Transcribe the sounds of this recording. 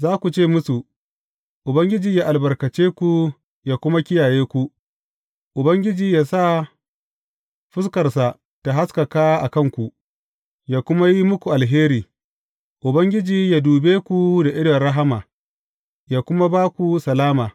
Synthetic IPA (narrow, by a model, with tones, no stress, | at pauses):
zaː˦kʷu˨t͡ʃeː˦˨mʊ˦su˨ | ʔʊ˨bɐ˦ŋɡʲɪ˦d͡ʒiː˨jaː˦ʔa˨lbɐ˨rkɐ˨t͡ʃeː˦kʷu˨ | jaː˨kʷʊ˦ma˦kʲɪ˦jaː˨jeː˦kʷu˨ | ʔʊ˨bɐ˦ŋɡʲɪ˦d͡ʒiː˨jaː˦sa˦˨ | ɸɪ˦skɐ˨rsa˨ | ta˨ɦa˦skɐ˨kaː˦ʔa˨kɐ˦ŋkʷu˨ʔ | jaː˦˨kʷʊ˦ma˦ji˦mʊ˦kʷu˨ʔa˨lɦeː˦ɾiː˨ | ʔʊ˨bɐ˦ŋɡʲɪ˦d͡ʒiː˨jaː˦duː˨beː˦kʷu˨da˨ʔɪ˦ɽɐ˨ɽɐ˦ɦa˦maː˨ | jaː˦˨kʷʊ˦ma˦baː˦kʷu˨sɐ˨laː˦maː˨